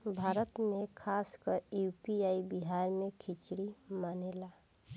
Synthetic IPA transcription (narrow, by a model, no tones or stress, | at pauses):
bʱaɾət̪mekʰaskəɾjupiaibiɦaɾmekʰit͡ʃɽimanela